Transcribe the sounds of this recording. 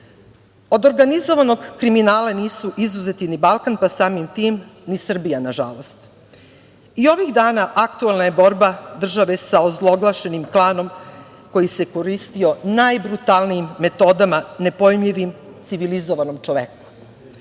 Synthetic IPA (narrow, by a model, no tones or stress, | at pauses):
o̞d̪o̞ɾɡanizo̞ʋano̞ɡkɾiminaːlaniːsuʔizuzet̪inibalˠkanpasaːmimt̪iːmnisr̩bijanaʒa̰lo̞st̪ | io̞ʋiɣd̪aːnaʔakt̪uelnaje̞bo̞ɾbad̪r̩ʒaʋe̞saozlˠo̞ɡlˠaʃe̞nimklˠaːno̞m | ko̞jise̞ko̞ɾist̪io̞najbɾut̪aːlˠnijimːe̞t̪o̞d̪amane̞po̞jmʎiʋimt̪siʋilizo̞ʋano̞mt͡ʃoʋeku̥